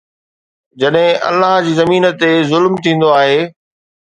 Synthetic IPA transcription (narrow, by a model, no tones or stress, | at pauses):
d͡ʑɐɗɦɪ̃ʔɐ̰lːaɦd͡ʑiːzɐmiːnət̪ezʊlmt̪ʰĩːn̆d̪oaːɦeː